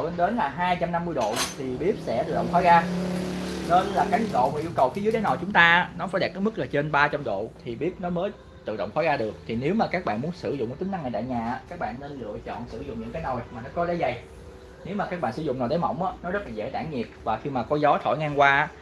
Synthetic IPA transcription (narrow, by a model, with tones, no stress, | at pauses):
lə˧ɗe˨˦nlaː˨˩ɦaː˧jt͡ɕa˧mna˧mːɨ˧əjɗo̰˧˨t̪ʰi˨˩ɓi˦˥əp̚sɛ̰˧˥t̪ɨ̰˧˨ɗɔ̰˧˨wŋ͡mxa˨˦ɣaː˧ | nə˨˧˦n˧laː˨˩ka˨˦jɗo̰˧˨maː˨˩ʔi˧kə˨˩wxi˨˦zɨ˨˦jɗeː˨˦na˨˩t͡ɕʊ˨˦ŋ͡mt̪aː˧ʔːnɔ˨˦faː˧˩jɗɛː˨˩p̚kːə˨˦mɨ˦˥k̚laː˨˩t͡ɕe˧nɓaː˧t͡ɕa˧mɗo̰˧˨t̪ʰi˨˩ɓi˦˥əp̚nɔ˨˦məː˨˦j | t̪ɨ̰˧˨ɗo̰˧˨wŋ͡mxɔː˨˦ɣaː˧ɗɨ˨˩ək̚t̪ʰi˨˩ne˨˦wmaː˨˩kaː˦˥k̚ɓa̰ː˧˨nmu˨˦ənsɨ˧˩zʊ̰˨˧˨ŋ͡mmu˧˨˦t̪ï˨˦ŋna˧ŋːaː˨˩jta̰ː˧˨jɲaː˨˩aː˨˦kaː˦˥k̚ɓa̰ː˧˨nːe˧nlɨ̰˧˨ət͡ɕɔ̰˧˨nsɨ˧˩zʊ̰˧˨ŋ͡mɲɨ̰˧˥ŋkaː˨˦no˨˩jmaː˨˩nɔ˨˦kɔ˨˦lɛ̰˧˥˦jza˨˩j | ne˨˦wmaː˨˩kaː˦˥k̚ɓa̰ː˧˨sɨ˧˩zʊ̰˧˨ŋ͡mnaː˨˩ɗəː˨˦jmɔ̰˧˩wŋ͡mʔaː˨˦nɔ˨˦zə˦˥t̚laː˨˩zḛ˧˥t̪aː˧˩ŋɲi˨˩ət̚vaː˨˩xi˧maː˨˩kɔ˧˨˦zɔ˨˦t̪ʰo̰˧˩jŋaː˧ŋkwaː˧aː˦˥